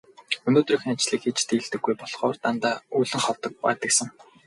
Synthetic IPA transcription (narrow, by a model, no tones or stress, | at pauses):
ɵnoːt̪rɵ̆xĭŋat͡ɕɮiːkxit͡ɕt̪ʰiːɮt̪ɘ̆ɡːujpɔɮχɔːrt̪ant̪aːuːɮɘ̆ŋχɔwt̪ɞ̆k̚pa̰ːt̪ə̆ksə̆ŋ